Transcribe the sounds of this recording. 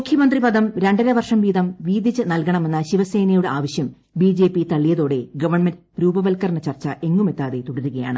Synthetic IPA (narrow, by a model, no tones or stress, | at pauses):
mukʰjɐmɐnd̪ripɐd̪ɐmɾe̞ɳɖɐɾeʋɐrʂɐmʋiːd̪ɐmʋiːd̪it͡ɕːɨnɐlkɐɳɐme̞nːɐɕiʋɐse̞ːnɐjuɽeaːʋɐɕjɐm | biːd͡ʑe̞ːpit̪ɐɭːijɐðo̞ːɽe̞ɡɐʋɐrɳmend | ɾuːbɐʋɐlkɐrnɐt͡ɕɐrt͡ɕːɐʔe̞ŋːume̞t̪ːaːðe̞t̪uɽɐɾuɣɐja̰ːɳɨ